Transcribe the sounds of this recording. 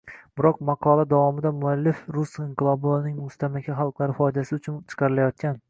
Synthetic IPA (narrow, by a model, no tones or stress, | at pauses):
b̥ɪɾɒq̚mɑqʰɒlˠad̪avɒmɪd̪amʊalːɪfɾʊsiɴqɨlˠɒbnɪŋmʊst̪ʰamakʲʰaχɑlˠqlˠaɾɪfɒjd̪asɪʊt͡ʃʰʊnt͡ʃʰɨ̥qʰɑɾɪlajɒt̪̚kʲʰan